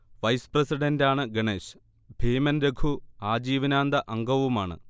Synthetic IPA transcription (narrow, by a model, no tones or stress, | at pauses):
ʋɐjsprɐsiɖɐndaːɳɨɡeɳeːɕ | bʱeːmɐnɾeɡʰʱuaːd͡ʑiːʋɐnaːnd̪ɐʔɐŋɡɐʋumaːɳɨ̰